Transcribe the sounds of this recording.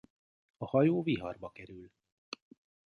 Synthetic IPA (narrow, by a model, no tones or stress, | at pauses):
ɒhɒjoːviɦɒ̰rbɒkɛɾyl